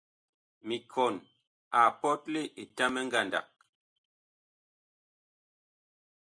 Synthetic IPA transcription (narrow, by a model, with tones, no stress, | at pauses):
mi˨kʰɔ˨n | a˨pɔ˦t̚le˦ʔe˨ta˦mɛ˦ŋɡa˦˨nda̰˨k̚